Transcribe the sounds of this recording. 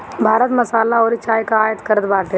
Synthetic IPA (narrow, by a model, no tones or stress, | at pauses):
bʱaːɾət̪mɐsaːlaɔːɾit͡ʃaːjkaaːjət̪kɐɾət̪baːʈʰe